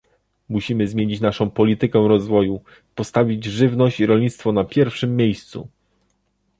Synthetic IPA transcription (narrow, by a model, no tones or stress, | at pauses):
muɕimɘzmʲjeɲit͡ɕnaʂɔ̃w̃pɔlʲit̪ɘkɛw̃ɾɔzvɔju | pɔst̪avʲid͡ʑʐɘvnɔɕt͡ɕiɾɔlʲɲit̪st̪fɔnapʲjɛɾfʂɘmʲːjejst̪sṵ